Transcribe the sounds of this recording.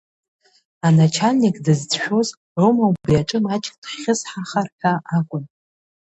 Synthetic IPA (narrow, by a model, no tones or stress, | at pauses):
anat͡ʃʰanːikʼdɨzd͡zʃᶣo̞z | ʕʷomawʼbiaʈ͡ʂʼɨmat͡ʃʼkʼd̥χːʲɪsħaχarħʲʷᶣʰaakʷʼʊn